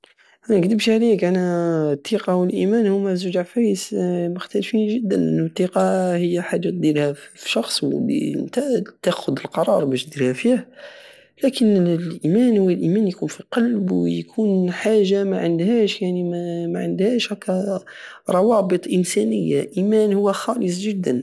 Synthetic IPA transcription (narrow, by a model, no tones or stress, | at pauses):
ʔænæɡd̪əbʃʕælikʔænæt̪ˤːiqɑwəlʔimænhʊmːæzʊʒaʕfæjsmʊxt̪ælfinʒəd̪ːənʔə̰nːut̪ˤːiqɑhəjːæħad̪t̪̚d̪iɾhæfiʃɑxsˤw̰lḭə̰nt̪æt̪æxʊd̪əlqɑɾˤɑɾˤbæʃt̪d̪iɾhæfih | lækənlʔimænhʊwəlʔimænjkunfiqɑlbwjkʰunħaʒːamæʕənd̪hæʃjaʕniæmæʕənd̪hæʃhækːæ | ɾˤɑwɑbət̪ˤʔənsænəjːaʔimænhʊwːæxɑləs̬ˤʒəd̪ːən